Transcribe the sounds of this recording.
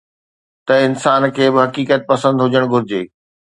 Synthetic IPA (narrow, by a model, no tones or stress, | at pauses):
t̪ɐɪnsaːnkʰeːbɪɦɐkiːkət̪̚pɐsə̃nd̪ɦʊd͡ʑəɽ̃ɡʱʊɾɪd͡ʑeː